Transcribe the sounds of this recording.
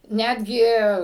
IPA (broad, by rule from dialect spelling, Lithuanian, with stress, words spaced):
ˈnʲæːdʲɡʲɪ